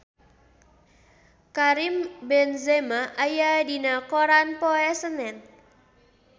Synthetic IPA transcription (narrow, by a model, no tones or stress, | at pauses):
kaɾimbɛnzɛmaʔajadinakoɾanpɔɛsənɛn